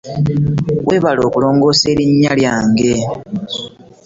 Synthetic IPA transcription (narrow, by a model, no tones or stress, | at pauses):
we̞ːβalo̞ːkulo̞ːŋɡo̞ːse̞ːɾiɲːaljaːŋɡe̞